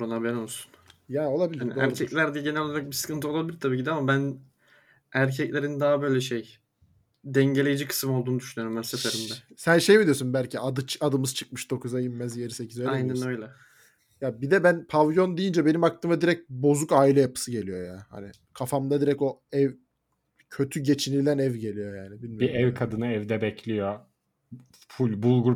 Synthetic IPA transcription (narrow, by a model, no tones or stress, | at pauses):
ɾonabɛnolˠsu̥njao̞lˠabilʲiaɾnioæ̰ɾɾcʰɛclʲæɾd̪ɛɟe̞nɛlʲoaɾak̚bisɯ̥kʰɯnt̪ʰɯolˠabilʲiɾt̪ʰabiːcid̪iamabæn | æɾcʰɛclʲe̞ɾind̪aɦabø̞jlʲɛʃej | d̪ɛɲɟelʲejid͡ʒikʰɯ̥smolˠd̪uːnd̪yʃynyjoɾumænsefeɾimd̪ɛsænʃe̞jmid̪ijo̞sunbælʲcʰiad̪ɯt͡ʃad̪ɯmɯzt͡ʃʰɯ̥k̚mɯʃd̪o̞kʰuzajimːɛzje̞ɾise̞cʰizølaejnɛnøjlʲɛ | jabid̪ɛbænpʰavjo̞nd̪ejind͡ʒɛbe̞nimak̚t̪ʰɯmad̪iɾɛc̚bo̞zukaːilʲɛjapʰɯ̥sɯɟe̞lʲijo̞jaːha̰nɪ | kʰafamd̪ad̪iɾɛco̞ɛv | cʰø̞t̪ʰyɟe̞t͡ʃʰinilʲænɛvɟe̞lʲijo̞jaːnibilʲmibiɛvkʰad̪ɯnɯɛvd̪ɛbɛcʰlʲijo | fulʲbulˠɡuɾ